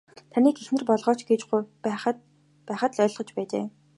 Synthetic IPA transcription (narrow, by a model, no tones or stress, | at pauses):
t̪ʰaniːɡexnɘ̆rpɔɮʁɔːt͡ɕɡeːt͡ɕɡu | pæːχə̆t̪ɮœːɮʁ̥ɞ̆t͡ɕpæːt͡ɕḛː